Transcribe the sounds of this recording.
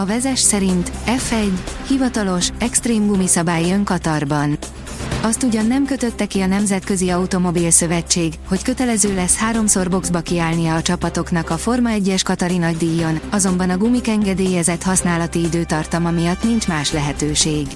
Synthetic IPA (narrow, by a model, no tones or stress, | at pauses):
ɒvɛzɛʃsɛɾint̪ɛfɛɟːhivɒt̪ɒlo̞ʃɛkst̪reːmɡumisɒbaːjiøŋkɒt̪ɒrbɒn | ɒst̪uɟɒnːɛmkø̞t̪ø̞t̪ːɛkiɒnɛmzɛt̪kø̞ziɒut̪o̞mo̞bilsø̞vɛt͡ʃːeːɡho̞ckø̞t̪ɛlɛzøːlɛshaːɾo̞mso̞rbo̞ɡzbɒkiaːlnijɒːt͡ʃɒpɒt̪o̞kn̪ɒkɒfo̞rmɒɛɟːɛʃkɒt̪ɒɾinɒɟd̪iːjːonɒzo̞mbɒnɒɡumikɛŋɡɛd̪eːjɛzɛt̪hɒsnaːlɒt̪iid̪øːt̪ɒrt̪ɒmɒmijɒt̪nint͡ʃmaːʃlɛɦɛt̪øːʃeːɡ